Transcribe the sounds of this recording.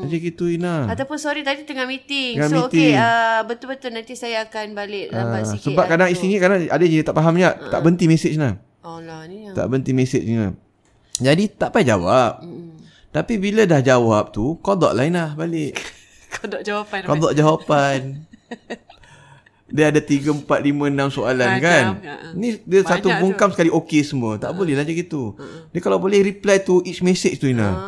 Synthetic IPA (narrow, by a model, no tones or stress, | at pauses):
ad͡ʒəkit̪uinahat̪awpʊnsoɾit̪adit̪əŋahmit̪ɪŋŋammik̪t̪ɪŋəbət̪ʊlbət̪ʊlnant̪isajaːkanbalɪʔlaasəbap̚kadaŋist̪iɲikadaŋadəd͡ʒanit̪aʔpaɦamɲaʔt̪a̰ʔbənt̪imesɪt͡ʃnah | ɔlanit̪a̰ʔbənt̪imesɪt͡ʃia̰ | d͡ʒadit̪aʔpajd͡ʒawap̚ | t̪apibilədahd͡ʒawap̚t̪ukodɔ̰ʔlahinlahbalɪʔ | dkodɔʔd͡ʒawapan | diəadat̪iɡəəmpat̪̚limə̃namsoalankannidiəsat̪uɡuŋkamsəkaliʔokesəmuət̪a̰ʔbolɛhlad͡ʒaɡit̪udəkalawbolɛhɾiplajt̪uʔit͡ʃmesɪt͡ʃt̪uina̰h